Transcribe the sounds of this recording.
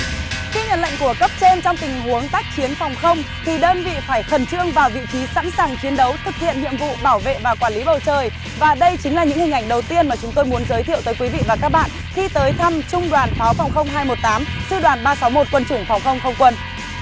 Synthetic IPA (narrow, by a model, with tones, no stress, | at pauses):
xi˧ɲə̰˧˨nla̰˧˨jŋ̟ku˧˩əkə˦˥p̚t͡ɕe˧mt͡ɕɔ˧wŋ͡mt̪ï˨˩ŋ̟hu˨˦əŋt̪aː˦˥k̚t͡ɕi˨˦ənfɔ˨˩wŋ͡mxə˧wŋ͡m | t̪ʰi˨˩ɗəː˧nvḭ˧˨faː˧˩jxə˨˩nt͡ɕɨ˧əŋvaː˨˩wvḭ˧˨t͡ɕi˨˦sa̰˧˥nsaː˨˩ŋt͡ɕi˨˦ənɗə˨˦wt̪ʰɨ˨˩k̚hḭ˧˨ənɲḭ˧˨əmvṵ˧˨ɓaː˧˩wvḛ˧˨vaː˨˩kwaː˧˩li˨˦ɓə˨˩wt͡ɕəː˨˩j | vaː˨˩ɗə˧jt͡ɕï˨˦ŋ̟laː˨˩ɲɨ̰˧˥ŋhï˨˩ŋ̟ʔa˧˩ŋ̟ɗə˨˩wt̪i˧ənmaː˨˩t͡ɕʊ˨˦ŋ͡mt̪o˧jmu˨˦ənzəː˨˦jt̪ʰi˧˨əwt̪əː˨˦jkwi˨˦vḭ˧˨vaː˨˩kaː˦˥k̚ɓa̰ː˧˨n | xi˧t̪əː˨˦jt̪ʰa˧mt͡ɕʊ˧ŋ͡mɗwaː˨˩nfaː˨˦wfa˨˩wŋ͡mxə˧wŋ͡mɦaː˧jmo˨˩t̚t̪aː˨˦msɨ̰˧ɗwaː˨˩nɓaː˧sa˨˦wmo˨˩t̚kwə˧nt͡ɕʊ˧˩ŋ͡mfɔ˨˩wŋ͡mxə˧wŋ͡mxə˧wŋ͡mkwə˧n